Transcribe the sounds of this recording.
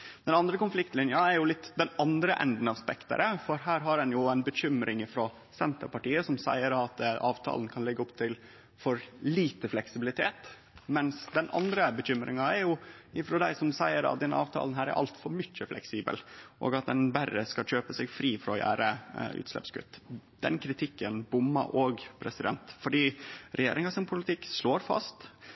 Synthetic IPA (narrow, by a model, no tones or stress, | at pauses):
d̪ɛnɑnd̪ɾəkʊnflɪkt̪lɪnjɑɛɾjʊlɪt̪ːd̪ɛnɑnd̪ɾəʔɛ̰nd̪n̩ɑʋspɛkt̪ə̰ɾəfɔɾɦæːɾɦɑɾɛnjʊænbəçʏmɾʔɪŋɪfɾoː | sɛnt̪əɾpɑʈiːəsɔmsæɪəɾɑt̪ʔɑːʋt̪ʰɑ̰ːln̩kʰɑnlɛɡːəɔpt̪ʰɪl | fɔɾliːt̪əflɛksɪbɪlɪt̪ʰeːt̪ | mɛnsd̪ɛnʔɑ̰nd̪ɾəbəçʏmɾʔɪ̰ŋɑɛɾjʊɪfɾoːd̪æɪsɔmsæɪəɾɑ̰t̪̚d̪ɛnɑ̰ːʋt̪ʰɑ̰ːln̩ɦæːɾæ̰ɾʔɑ̰lt̪fɔɾmʏc͡çːəflʔɛ̰ksiːbə̰lʔo̰ːɡɑt̪̚d̪ɛnbærəskɑc͡çøːpəsɛɡfɾiːfɾɔjæ̰ːɾəʉ̰ːt̪slɛ̰pskʉ̰t̪ːd̪̥ɛ̰nkʰɾɪt̪ʰɪkːənbʊmːə̰ʔoːɡpʰɾɛsɪd̪ɛnt̪fɔɖiːɾɛjḛːɾɪŋɑsɪnpʰʊlɪt̪ʰɪkːʂloːɾfɑ̰st̪